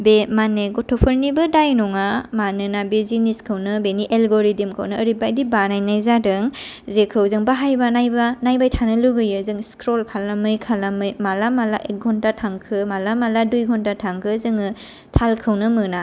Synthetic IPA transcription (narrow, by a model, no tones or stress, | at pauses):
bemaneɡɔtʰɔpʰɯɾnibɯdajnɔŋamanɯnabeziniskʰɯwnɯbeniʔelɡoɾidemkʰə̰wnɯːɾibajdibanajnajzadɯŋ | zekʰɯwzɯŋbaɦajbanajbanajbajtʰanɯluɡɯjɯzɯŋskɾɔlkʰalamɯjkʰalamɯjmalamalaʔek̚ɡʱɔntatʰaŋkʰɯmalamaladujɡʰʱɔntatʰaŋkʰɯzɯŋɯ | tʰalkʰɯwnɯmɯna